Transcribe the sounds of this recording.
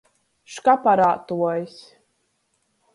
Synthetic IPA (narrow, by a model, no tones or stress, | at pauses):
ʃkapaɾaːt̪uɔjsʲ